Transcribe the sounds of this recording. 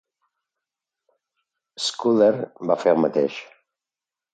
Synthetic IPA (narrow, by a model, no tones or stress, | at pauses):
skuðeɾbafeɾmət̪ḛʃ